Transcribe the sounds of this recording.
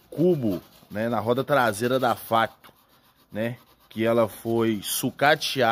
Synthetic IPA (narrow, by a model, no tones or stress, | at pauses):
kubʊ | nɛnɐɦɔd̪ɐt̪ɾazeɾɐd̪afat̪ʊ̥ | nɛ | kɪɛlɐfojsukat͡ʃia